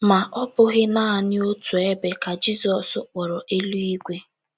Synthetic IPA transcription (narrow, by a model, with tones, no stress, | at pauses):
ma˨ʔɔ˦pʊ˦ɣɪ˦na˦a˨nɪ˦o˦tu˨e˦be˨ka˨d͡ʒi˦sɔ˨sʊ˦k͡pɔ˨ɾɔ˨ʔe˦lu˦i˦ɡʷe˦